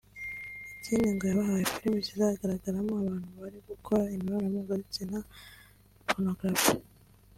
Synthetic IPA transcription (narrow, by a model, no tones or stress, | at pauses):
iciːndiŋɡojaβaɦajifiɾimicizahaɡaɾaɡaɾamoaβaːnhuβaɾiɡukʰoɾaimiβanamuɡazit͡sina | fonoɡɾafi